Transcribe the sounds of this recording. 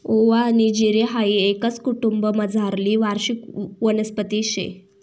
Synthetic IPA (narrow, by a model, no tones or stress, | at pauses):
oʋanid͡ʑiɾeɦaiekət͡skuʈumbəməd͡zʱaɾliːʋaɾɕikʋənəspət̪iɕḛ